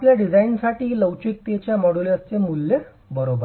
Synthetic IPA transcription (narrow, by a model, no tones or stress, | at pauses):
apljaɖid͡zainsaʈiːləwt͡ɕik̚t̪et͡ɕjamɔɽuləst͡ɕemulːe | bəɾobə